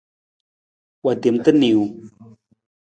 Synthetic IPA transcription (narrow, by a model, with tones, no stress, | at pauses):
wa˨de˨mtə˦ni˨u˨